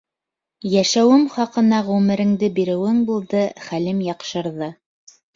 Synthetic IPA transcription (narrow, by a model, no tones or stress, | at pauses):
jæʃæwɘmχɑqɤ̆nɑʁʉmɘ̆ɾɘ̆ŋd̪ɘbiɾɘ̆wɘŋbulˠd̪ɤχælɘmjɑqʃɤ̆ɾðɤ